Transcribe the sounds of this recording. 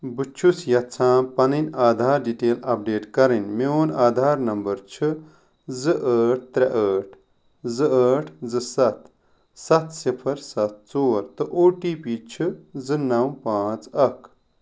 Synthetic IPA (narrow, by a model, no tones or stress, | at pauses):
bɨt͡ʃʰusjɐt̪t͡sʰãːpɐninaːd̪ʱaːɾɖiʈeːlɐp̚ɖeːʈkɐɾinmeoːnaːd̪ʱaːɾnɐmbɐɾt͡ʃʰɨ | zɨʔəːʈ̚ʰt̪ɾɐʔəːʈʰ | zɨəːʈʰzɨsɐt̪ | sɐt̪ʰsipʰɐɾsɐt̪̚t͡soːɾt̪ɨʔoːʈiːpiːt͡ʃʰɨzɨnɐwpãːt͡sɐkʰ